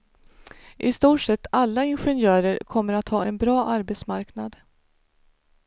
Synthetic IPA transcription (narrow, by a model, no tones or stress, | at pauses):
ʔɪst̪uːʈʂɛt̪ːalːaɪnɧɛnjœːɾəɾkʰɔmːəɾat̪hɑːɛnbɾɑːʔaɾbɛt̪smaɾknad̪